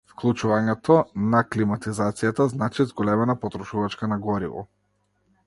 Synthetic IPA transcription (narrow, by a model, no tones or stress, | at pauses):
fklˠut͡ʃuvaɲɛt̪ɔnaklimat̪izat̪sijat̪aznat͡ʃizɡɔlɛmɛnapɔt̪ɾɔʃuvat͡ʃkanaɡɔɾḭvɔ̰